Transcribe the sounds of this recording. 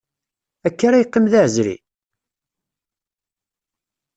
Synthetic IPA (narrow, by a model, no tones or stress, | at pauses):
ækːaɾajqːəmðaʕzɾḭ